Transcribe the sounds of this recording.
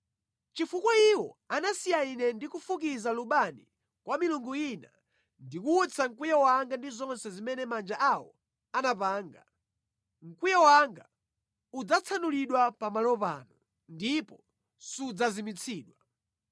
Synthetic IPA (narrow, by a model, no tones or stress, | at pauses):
t͡ʃifukwɔiwɔanasijainɛndikufukizaluɓanḭ | kwamiluŋɡuina̰ | ndikuːt͡sʰaŋ̩kwijawaŋɡandizɔnsɛzimɛnɛmand͡ʒaʔawɔ | anapaːŋɡa | ŋ̩kwijawaŋɡa | ud͡zat͡sʰanuliɗwapamalɔpa̰ːnu | ndipɔ | suud͡zazimit͡sʰiːɗwa